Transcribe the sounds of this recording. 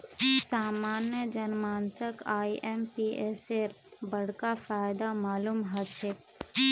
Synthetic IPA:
saːmaːnjəd͡ʒənmaːnsəkaːiʔempiʔeseɾ | bəɽ̤kafaːjd̪amaːlumɦət͡ʃʰe

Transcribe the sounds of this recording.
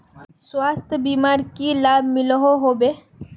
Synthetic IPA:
swaːst̪ʰbiːmaːɾkilaːbmɪlɦoɦoːbeː

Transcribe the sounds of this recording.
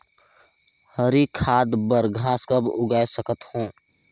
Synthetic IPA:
həɾikʰaːd̪bəɾɡʱaːskəbʊɡaːesəkət̪hõː

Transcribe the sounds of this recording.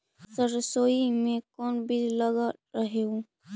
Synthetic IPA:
səɾsoːimẽkɔːnbilləɡaɾəɦeõ

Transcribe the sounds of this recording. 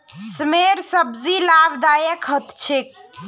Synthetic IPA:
smeɾsəbzilabd̪ajəkɦət̪t͡ʃʰek̚

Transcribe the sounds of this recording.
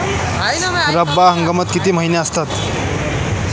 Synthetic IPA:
ɾəbːaɦə̃ŋɡəmət̪kit̪im̤əɦinjeəst̪at̪

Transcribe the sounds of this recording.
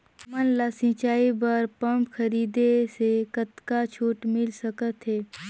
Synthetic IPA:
mənlasĩt͡ʃaːibəɾpəmpkʰəɾiːd̪esekət̪kat͡ʃʰoːʈmɪlsəkət̪ɦeː

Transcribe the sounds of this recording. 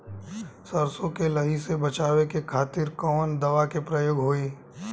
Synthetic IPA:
sɐɾsõkelɐɦisebɐt͡ʃaːwekekʰaːt̪ɪɾkɔːnd̪ɐʋakepɾɐjoːɡɦoːeː

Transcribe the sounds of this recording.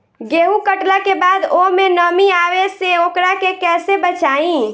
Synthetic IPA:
ɡeɦũkəʈlakebad̪omenəmiaʋeseokɾakekɛsebət͡ʃaĩ

